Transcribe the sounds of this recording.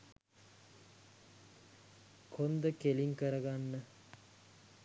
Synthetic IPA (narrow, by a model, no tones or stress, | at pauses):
kʰond̪əkeliŋkəɾəɡanːə